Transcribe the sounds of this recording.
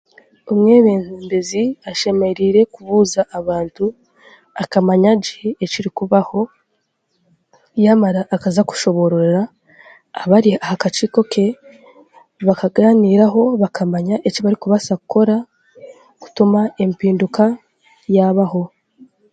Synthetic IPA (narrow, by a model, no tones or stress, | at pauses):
omŋe̞ːβe̞ːn̥uːmbe̞ziaʃe̞me̞ɾiɾe̞kuβuːzaʔːβaːntu | akamaɲaɟieciɾikuβaho̞ | jamaɾaʔːkazaku̥ʃo̞βo̞ɾoɾɾaː | βaɾiahakat͡ʃiko̞ke̞ | βakaɡaːniːɾaɦo̞βakʰamaɲaʔeciβaɾikuβasakuko̞ɾa | ku̥tumae̞mpiːnduka | jaβaho̞